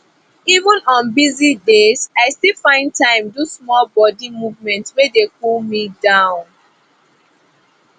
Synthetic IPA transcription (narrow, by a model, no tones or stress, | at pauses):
ivə̃nɔ̃nbizidezaɪstilˠfãɪ̃ntãɪ̃mdusmɔlbɔdimuvmɛ̃ntwedekulmidãʊ̃n